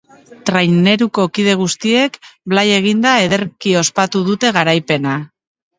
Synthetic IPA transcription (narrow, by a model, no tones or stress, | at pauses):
t̪ɾajne̞ɾuko̞kið̞e̞ɣ̞ust̪ie̞kblaje̞ɣ̞ind̪ae̞ðe̞ɾkio̞spat̪uð̞ut̪e̞ɣ̞aɾajpe̞na